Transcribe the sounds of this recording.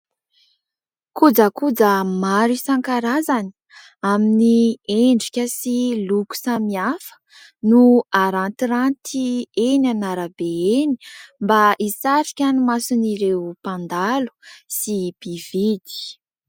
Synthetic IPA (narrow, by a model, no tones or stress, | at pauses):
kud͡zəkud͡zəmaɾisaŋkaɾazani̥ | aminieɳɖ͡ʐikʲəsiluku̥samiafə̥ | nuaɾant̪iɾant̪ienanaɾəbeeni̥mbaʔisaɾikʲanimasuniɾewpãnd̪alu̥sib̥ivid̪i̥